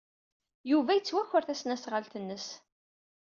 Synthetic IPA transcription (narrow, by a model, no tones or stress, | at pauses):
juvæjət͡sːwæçəɾθæsnæsʁəlt̪ənːəs